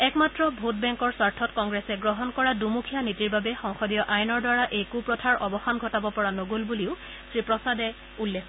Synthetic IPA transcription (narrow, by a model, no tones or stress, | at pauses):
ɛkmatɹɔbʱut̚bɛŋkɔɹsaɹtʰɔtkɔŋɡɹɛsɛɡɹɔɦɔnkɔɹadumukʰijanitiɹbabɛxɔŋxɔdijɔʔajnɔɹdwaɹaʔekupɹɔtʰaɹʔɔbɔxanɡʱɔtabɔpɔɹanoɡolbuliʊ | sɹipɹɔsadɛ | ulːekʰ